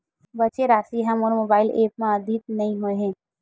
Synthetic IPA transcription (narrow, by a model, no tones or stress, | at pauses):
bɐt͡ʃeɾaːsiɦəmoːɾmoːbaːɪlʔeːp̚mãɐd̪ʱit̪̚nɐɦĩɦoeɦẽː